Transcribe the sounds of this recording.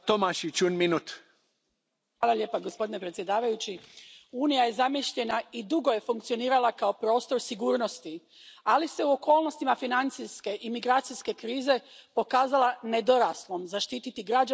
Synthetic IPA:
t̪omaʃit͡ʃunminut̪ | ʋaːlˠalʎje̞ːpaɡo̞spod̪ine̞pɾet̪sje̞d̪aːʋajut͡ɕiuːnijaje̞zamiʃʎe̞naid̪uɡo̞je̞fuŋkt̪sio̞niːɾalakao̞pɾo̞ːst̪o̞ɾsiɡuːɾno̞st̪i | alise̞uo̞ko̞ːlˠno̞st̪imafinant̪siske̞ʔimiɡɾaːt̪siske̞kɾiːze̞po̞kaːzalane̞d̪o̞ɾaslˠo̞mzaʃt̪iːt̪it̪iɡɾaa

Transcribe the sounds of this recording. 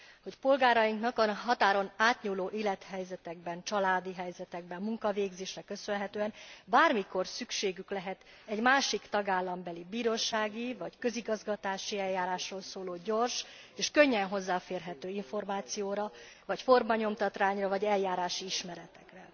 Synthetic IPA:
ho̞cpo̞lɡaːɾɒjiŋknɒkɒnɦɒt̪aːɾo̞naːt̪ɲuːloːʔiːlɛt̪hɛjzɛt̪ɛɡ̚bɛnt͡ʃɒlaːd̪iɦɛjzɛt̪ɛɡ̚bɛmːuŋkɒveːɡzeːʃrɛkø̞sønɦɛt̪øːɛnbaːrmiko̞rsykʃeːɡyklɛɦɛt̪ | ɛɟmaːʃikt̪ɒɡaːlːɒmbɛlibiːɾoːʃaːɡivɒckø̞ziɡɒzɡɒt̪aːʃiɛljaːɾaːʃroːlsoːloːɟo̞rʃeːʃkø̞ɲːɛnɦo̞zːaːfeːrɦɛt̪øːiɱfo̞rmaːt̪sijoːɾɒ | vɒcfo̞rmɒɲo̞mt̪ɒt̪raːɲrɒvɒɟɛljːaːɾaːʃiiʃmɛɾɛt̪ɛ̥krɛ

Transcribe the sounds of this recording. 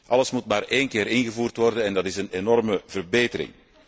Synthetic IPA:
ʔɑləsmutmaːreːnkɪːɾɪnɣəvuːrtʋɔrdənɛndɑtɪsənenɔrməvərbeːtəɾɪ̰ŋ

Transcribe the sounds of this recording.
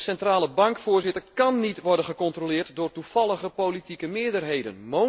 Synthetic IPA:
sɛntraːləbɑŋkfʊːɹzɪtərkɑnːitʋɔrdənχəkɔntrolɪːrtdʊːrtufɑlˠəɣəpowlitikəmɪədərɦejdə̰nmo

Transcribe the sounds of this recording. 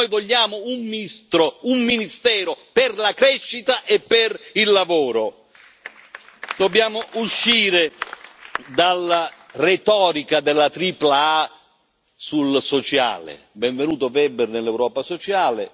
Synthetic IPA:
ojvoʎːaːmʊummst̪ɾoumːinist̪ɛːɾoperlakɾɛʃːit̪aʔepːerilːavoːɾo | d̪̥obːjaːmʊʔuʃːiːɾe | d̪alːaret̪ɔːɾikad̪elːat̪ɾiːplaa | sulsot͡ʃa̰ːlɪ̰ | bɛɱvenuːt̪ʊvɛbernelːɛwɾɔːpasot͡ʃaːlɪ̰

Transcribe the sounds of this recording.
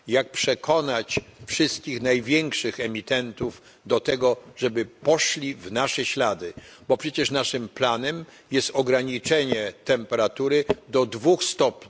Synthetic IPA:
jak̚pʂɛkʰɔnat͡ɕfʂɘst̪̚kʲixnajvʲjɛŋkʂɘxɛmʲit̪ɛnt̪uv | d̪ɔt̪ɛɡɔʐɛbɘpɔʂlʲivnaʂɛɕlad̪ɘbɔpʂɛt͡ɕɛʂnaʂɘmplanɛm | jɛst̪ɔɡɾaɲit͡ʂɛɲɛt̪ɛmpɛɾat̪uɾɘd̪ɔd̪vuxst̪ɔpɲi

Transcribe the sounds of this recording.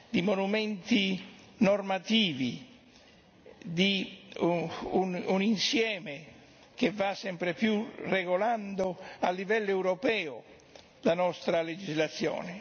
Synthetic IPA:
d̪imonumɛnt̪i | nɔrmat̪iːvi | d̪i | ununinsjɛːme | kevːasɛmpɾepjureɡoland̪oalːivɛlːoɛwɾɔpɛːo | d̪anɔst̪ɾaled͡ʒizlat̪sːjɔ̰ːne

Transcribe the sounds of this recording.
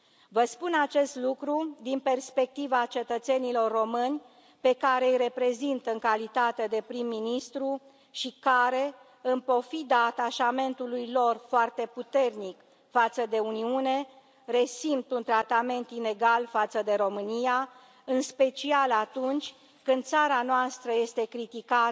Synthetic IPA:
vəspunat͡ʃe̞st̪lukɾud̪inpe̞rspe̞k̚t̪ivat͡ʃe̞t̪ət̪se̞nilo̞rːo̞mɨnʲ | pe̞kaɾe̞ɨjɾe̞pɾe̞zint̪əɨŋkalit̪at̪e̞d̪e̞pɾimːinist̪ɾu | ʃikaɾe̞ | ɨmpo̞fid̪əat̪aʃame̞nt̪ulujlo̞rfoart̪e̞put̪e̞rnik | fat̪səd̪e̞uniune̞ | re̞simpt̪unt̪ɾat̪ame̞nt̪ine̞ɡalfat̪səd̪e̞ɾo̞mɨnija | ɨnspe̞t͡ʃialat̪unt͡ʃʲ | kɨnd̪̚saɾanoast̪ɾəje̞st̪e̞kɾit̪ika

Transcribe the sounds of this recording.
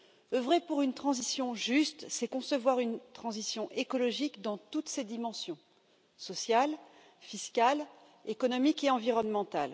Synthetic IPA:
øvʁepuʁynt̪χɑ̃zisjɔ̃ʒyst̪sɛkɔ̃səvwaʁynt̪χɑ̃zisjɔ̃ʔekɔlɔʒikd̪ɑ̃t̪ut̪sed̪imɑ̃sjɔ̃ | sɔsjal | fiskal | ekɔnɔmikeɑ̃viʁɔnmɑ̃t̪al

